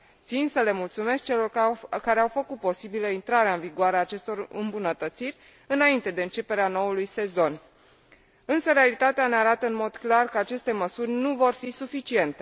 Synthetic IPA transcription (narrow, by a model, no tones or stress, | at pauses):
t̪sinsəle̞mult̪sume̞sk̚t͡ʃe̞lo̞rkaɾe̞awfəkut̪̚po̞sibiləint̪ɾaɾeaɨnviɡoaɾeaːt͡ʃe̞st̪o̞rɨ̰mbunət̪ət̪sirʲ | ɨnaint̪e̞d̪e̞ɨnt͡ʃe̞pe̞ɾeano̞ulujse̞zo̞n | ɨnsəɾealit̪at̪eaneaɾat̪əɨnmo̞d̪klarkəat͡ʃe̞st̪e̞məsurʲnuvo̞rfisufit͡ʃie̞nt̪e̞